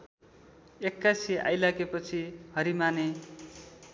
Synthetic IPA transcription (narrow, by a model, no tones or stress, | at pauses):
ekːasia̰jlaɡepʌt͡sʰihʌɾimane